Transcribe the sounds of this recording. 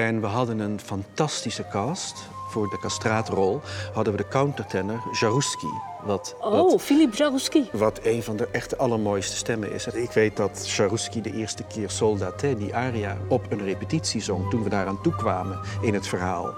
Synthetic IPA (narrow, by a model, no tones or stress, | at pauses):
ɛnʋəɦɑdənənfɑntɑstisəkɑst | fʊːɹdəkɑstraːtrɔlˠɦɑdənʋədəkawntəɹtɛnəɹʒaruskḭ | ʋɑtfilipʒaruskiʋɑtejnvɑndəʔɛχtəʔɑlˠəɹmoːjstə̥stɛmə̰nɪ̰sɪkʋejt̚dɑtʃaruskidəʔɪːɹstəkɪːɹsɔlˠdaːtɛdiʔaːrija̰ɔpɵnrepətitsizɔŋtunʋədaːraːntukʋaːmənɪnɦətfəɹɦaːlˠ